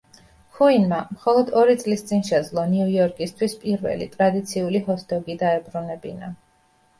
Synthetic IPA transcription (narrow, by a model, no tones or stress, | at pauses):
kʰuinmamχɔlˠɔd̪ɔɾit̪sʼlist̪sʼinʃɛd̪zlˠɔniujɔɾkʼist̪ʰwispʼiɾvɛ̰lḭt̪ʼɾad̪it̪sʰiulihɔst̪ʰɔɡid̪aɛbɾunɛbḭna